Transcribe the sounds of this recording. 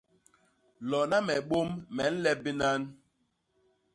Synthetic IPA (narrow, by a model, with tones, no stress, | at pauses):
lɔ˨na˦mɛ˨ɓo˦mːɛ˨n̩˦lɛ˦bi˦na˦n